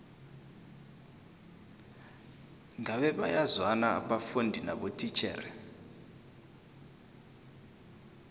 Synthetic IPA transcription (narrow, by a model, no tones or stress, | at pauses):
ŋaɓɛɓajazwana̰ːɓafundʱinaɓotʰʼit͡ʃʰɛ̰ːrɛ